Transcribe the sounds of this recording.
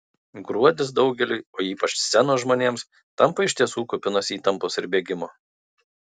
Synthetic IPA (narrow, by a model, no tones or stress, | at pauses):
ɡɾuɔd̪ʲɪs̬d̪ɒʊɡʲɛlʲɪoːiːpɐt͡ʃsʲɛnoːʒmoːnʲeːms | t̪ɐmˑpɐɪʃt̪ʲiɛsuːkʊpʲɪnoːsiːt̪ɐmpoːsɪɾbʲeːɡʲɪmoː